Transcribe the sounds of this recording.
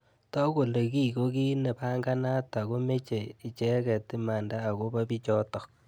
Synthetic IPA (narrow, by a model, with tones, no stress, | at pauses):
tɔ˦ko˨le˨ki˦ko˦ki˦ne˨ba˦ŋɡa˦na˦ta˨ko˦me˦t͡ʃe˨i˨t͡ʃɛ˦kɛ˨ti˦ma˨ndaː˦˨ko˦ba˦bi˦t͡ʃɔ˦tɔ˨k̚